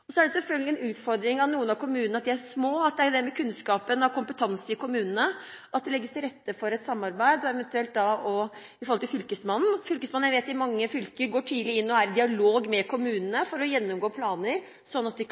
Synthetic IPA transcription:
ɔsɔæɖɛsɛlfœlɡəlɪɛnʉːt̪fɔɾd̪ɾɪŋɑnuːənɑʋkʰʊmʉːnənəɑt̪̚d̪ɪæʂmoːɑt̪̚d̪ɛæd̪ɛmɛkʰʉnskɑːpənɑkʊmpət̪ʰɑnsəɪkʰʊmʉːnənəʔɑt̪̚d̪ɛlɛɡːəst̪ʰɪɾɛt̪ːəfɔɾɛt̪sɑmːɑɾbæɪd̪ɔɛʋɛnt̪ʉɛlt̪̚d̪ɑɔ | ɪfɔɾɔlt̪ɪlfʏlkəsmɑnːn̩fʏlkəsmɑnːjæʋeːt̪ɪmɑŋːəfʏlkəɾɡoːʈʰiːd̪lɪɪnːɔæɾd̪ɪɑloːɡmɛkʰʊmʉːnənəfɔɾɔjɛnːʊmɡoːpʰlɑːnəɾ | sɔnːɑt̪̚d̪ɪ

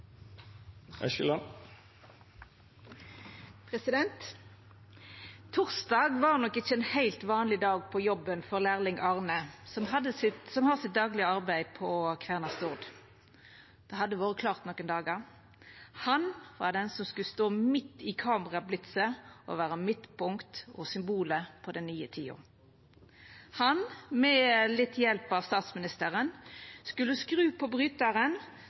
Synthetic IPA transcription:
æ̰ʃɪlɑn | pʰʁɛsɪd̪ɛnt̪ | ʊʁsd̪ɑːɡʋɑːʁnɔkːɪçəɛːnhæɪlt̪ʋɑːnlɪd̪ɑːɡ̚pʰɔjɔbənfɔʁlæːʁlɪŋʔɑːʁnəsɔmɦɑd̪ːəsɪsɔmhɑːsɪt̪̚d̪ɑːɡlɪəɑʁbæɪpʰɔkʰʋæːʁnɑst̪ʊʁd̪ | d̪̥ɛːhɑd̪ːəʋoːʁəkʰlɑːʁt̪nɔkːənd̪ɑːɡəʁ | hɑnʋɑ̰d̪ɛnsɔmskʉlst̪oːmɪt̪ːɪkʰɑːməʁɑblɪt̪səʔɔ̰ʋæːʁəmɪt̪ːpʊŋkt̪ɔsʏmbuːləpʰɔd̪ɛnnyːət̪ʰiːʊ̰ | hɑnmɛlɪt̪ːjɛlpɑʋst̪ɑːt̪smɪnɪst̪əʁənskʉləskʁʉːpʰɔbʁyːt̪əʁən

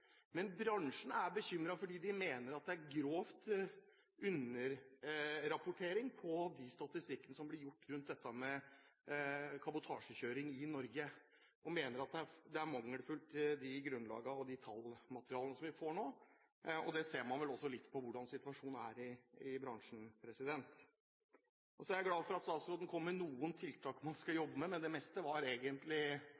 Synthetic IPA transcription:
mɛnbɾɑŋʂn̩æɾbəçʏmɾɑfɔɖiːd̪ɪmeːnəɾɑt̪̚d̪ɛæɾɡɾoːft̪ | ʉnəɾ | ɾɑpʊʈʰeːɾɪŋpʰɔd̪ɪst̪ɑt̪ɪst̪ɪkːənəsɔmblɪɾjʊʈːɾʉnt̪̚d̪ɛt̪ːəmɛ | kʰɑbʊt̪ʰɑːʂəçøːɾɪŋɪnɔɾɡə | ʔɔmeːnəɾɑt̪̚d̪ɛæɾd̪ɛæɾmɑŋːəɽfʉlt̪ɪd̪ɪɡɾʉnlɑ̰ːɡəɔd̪ɪt̪ʰɑlmɑt̪əɾɪɑːlənəsɔmʋɪfoːɳoː | ɔd̪ɛseːɾmɑnʋɛlɔsːɔlɪt̪ːpʰɔʋʊɖɑnsɪt̪ʉʋɑʂuːnnæɾɪɪbɾɑŋʂn̩pʰɾɛsɪd̪ɛnt̪ | ʔɔsɔæɾjæɡlɑːʋfɔɾɑt̪st̪ɑːt̪sɾoːd̪nəkʰɔmːəɳuːənt̪ʰɪlt̪ʰɑːkmɑnskɑjɔbːəmɛmɛnd̪ɛmɛst̪əʋɑɾeːɡənt̪lɪ

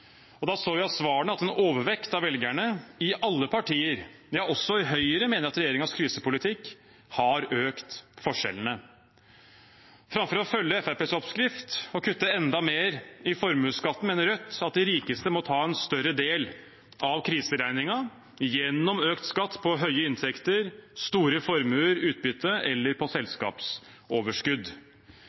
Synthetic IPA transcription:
ɔd̪ɑsoːʋɪɑsʋɑːɳəɑt̪ɛnoːʋəɾʋɛkt̪ɑʋɛlɡæɳəɪʔɑlːəpʰɑʈiːəɾ | jɑɔsɔɪɦœʏəɾəmeːnəɾɑt̪ɾɛjeːɾɪŋɑskʰɾiːsəpʊlɪt̪ʰɪkː | hɑɾøːkt̪fɔʂɛ̰lənə | fɾɑmfɔɾɔfœlːəɛfæɾpeːsɔpskɾɪft̪ɔkʰʉt̪ːəɛnd̪ɑmeːɾɪfɔɾmʉːskɑt̪ːnmeːnəɾœt̪ːɑt̪̚d̪ɪɾiːkəst̪əmɔt̪ʰɑːɛnst̪œɾəd̪eːl | ʔɑʋkʰɾiːsəɾæɪnɪŋɑ | jɛnːɔmøːkt̪skɑt̪ːpʰɔɦœʏəɪnt̪ʰɛkt̪əɾst̪uːɾəfɔɾmʉːəɾʉːt̪̚bʏt̪ʰːəʔɛlːəɾpʰɔsɛlskɑ̰ːps | oːʋəʂkʉd̪

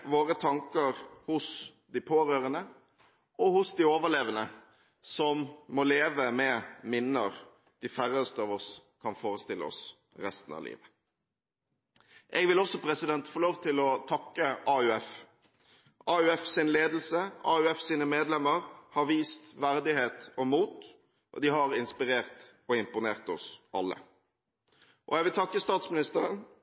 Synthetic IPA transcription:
ʋoːʁət̪ʰɑŋkəɾhʊs | d̪ɪpʰoːʁøːʁənə | ɔhʊsd̪ɪoːʋəleːʋənə | sɔmːɔleːʋəmɛmɪnːəʁ | d̪̥ɪfæɾəst̪əɑːʋɔskʰɑnfoːʁəst̪ɪləɔ̰s | ɾɛst̪n̩ɑ̰ʋlḭːʋə | ʔɛɡʋɪlɔsɔpʰɾɛsɪd̪ɛnt̪foːloːʋt̪ʰɪlɔt̪ʰɑkːəʔɑʉɛf | ʔɑʉɛfsɪnleːd̪l̩səɑːʉɛfsiːnəmeːd̪lɛmːəɾhɑɾʋiːst̪ʋæɾd̪ɪheːt̪ɔmuːt̪ | ʔɔd̪ɪɦɑʁɪnspɪɾeːʁt̪ɔɪmpʊneːʁt̪ɔsʔɑlːə̰ | ʔɔɛɡʋɪlt̪ʰɑkːəst̪ɑːt̪smɪnɪst̪əɾən

